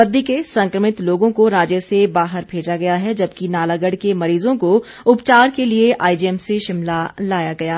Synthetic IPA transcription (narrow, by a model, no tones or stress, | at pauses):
ɐd̪ʱːikesɐ̃ŋkɾəmɪt̪loːɡõkoɾaːd͡ʒjəsebaːɦəɾbʱeːd͡ʒaɡɐjaɦɛd͡ʒɐbkinaːlaɡəɽkemɐɾiːzõko | ʊpt͡ʃaːɾkelieʔa̰ːid͡ʒiɛmseʃɪmlalaːjaɡɐjaː